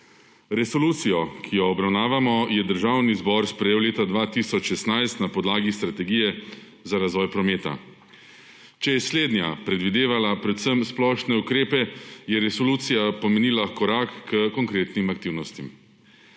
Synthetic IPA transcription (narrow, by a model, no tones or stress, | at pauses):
ɾɛsɔluːt̪sijɔkʰijɔːbɾawnaːʋamɔjɛd̪əɾʒaːwnizbɔɾspɾɛjeːwleːt̪ad̪ʋaːt̪isɔt͡ʃʃɛsnajst̪napɔd̪laːɡist̪ɾat̪ɛɡiːjɛ | zaɾazʋɔːjpɾɔmeːt̪a̰ | t͡ʃɛjɛsleːd̪nja̰pɾɛd̪ʋid̪eːʋalapɾɛt̪səmsplɔʃnɛukɾeːpɛjɛɾɛsɔluːt̪sijapɔmeniːlakɔɾaːkːəkɔŋkɾeːt̪nimakt̪iwnɔst̪im